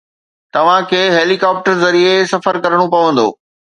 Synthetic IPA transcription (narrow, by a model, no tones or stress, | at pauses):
t̪ɐʋ̤ãkʰeːɦeːlikaːp̚ʈəɾzɐɾiesɐfəɾkɐɾəɽ̃opɐʋə̃nd̪o̰ː